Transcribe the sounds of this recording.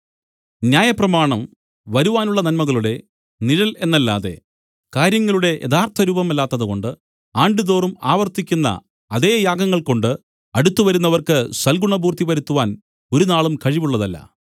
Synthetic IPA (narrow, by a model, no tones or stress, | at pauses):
njaːjɐprɐmaːɳɐm | ʋɐɾuʋaːnuɭːɐnɐnmɐɣɐɭuɽe̞ | niɻɐle̞nːɐlːa̰ːðe̞̰ | kaːɾjɐŋːɐɭuɽe̞ʔeðaːrt̪ʰɐɾuːbɐmɐlːaːt̪ːɐðɨɣo̞ɳɖɨ | aːɳɖɨðo̞ːrumaːʋɐrt̪ikʲːunːɐ̰ | ɐðe̞ːjaːɡɐŋːɐɭko̞ɳɖɨ | ɐɽut̪ːuʋɐɾunːɐʋɐrkɨswɐlɡuɳɐbuːrt̪ʰiʋɐɾut̪ːuʋaːn | o̞ɾunaːɭumkɐɻiʋuɭːɐðɐlːɐ̰